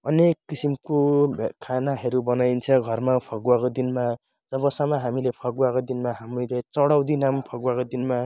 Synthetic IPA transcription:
ʌnekːisimkobʱkʰanaɦʌɾubʌnajnt͡sʰʌɡʱʌrmapʰʌɡuwakod̪inma | d͡zʌbʌsamaɦamilepʰʌɡuwakod̪inmaɦamrilet͡sʌɽʌwd̪inampʰʌɡuwakod̪inma

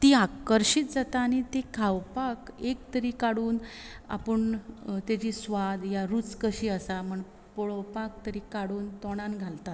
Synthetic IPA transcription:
t̪iakəɾɕiːt̪̚d͡zat̪aːɽ̃it̪ekʰawpakekt̪əɾiːkaɽuːna̰pəɳt̪jat͡ɕiːsʋad̪jaɾut͡skəɕiːəsam̤əɳ | pɔɭɔwpak̚t̪əɾiːkaɽuːnt̪ɔɽ̃anɡʱalt̪at̪

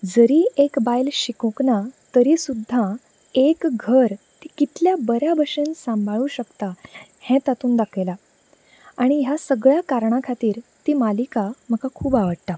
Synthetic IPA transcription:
d͡zəɾiːʔekbajlɕikõknat̪əɾisud̪ʱːa | ekɡʱəɾ | t̪ikit̪ljabəɾjabʱəʂensãmbʱaɭũːɕəkt̪ahɛ̃t̪at̪uːnd̪akʰjla | aɽ̃iɦjasəɡɭjakaɾɳ̃akʰat̪iːɾt̪iːmalikam̤əkakʰuːbaʋəɽʈ̪a

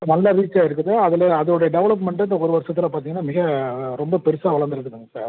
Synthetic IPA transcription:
nɐlːaʋiːt͡ʃːaːɪɾɯk̬ːɯðɯɐðɪlɐɐðɯɔɽɐjɐɖɛʋɐɭɐp̬mɛɳʈɪnd̪ɐɔɾɯʋɐɾsɐt̪ːɪlapaːɾt̪iːŋɡɐnaːmɪɣɐɾɔmbɐpɛɾɯsaːʋɐɭɐnd̪ɪɾɐðɯkːɐŋɐsa̰ːɾ

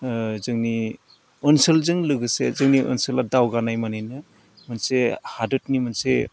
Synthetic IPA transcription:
zɯŋni | ɔnsɯlzɯŋlɯɡɯsezɯŋniʔɔ̰nsɯladawɡanajmanajnɯ | mɯnsehadɯt̚nimɯnsḛ

